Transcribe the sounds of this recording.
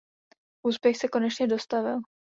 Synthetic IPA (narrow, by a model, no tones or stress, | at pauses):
ʔuːspjɛxsɛko̞nɛt͡ʃɲɛdo̞st̪avɪl